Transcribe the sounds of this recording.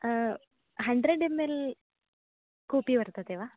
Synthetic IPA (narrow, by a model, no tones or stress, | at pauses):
ɦɐɳɖɾeɖemːeːl | kuːpiʋɐɾt̪ɐt̪eʋaː